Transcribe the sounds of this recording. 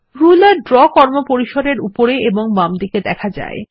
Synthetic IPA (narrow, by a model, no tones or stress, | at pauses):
ɾulaɾɖɾɔkɔɾmopoɾiʃod̪eɾupoɾeeboŋmamd̪iked̪ɛkʰad͡ʑa̰e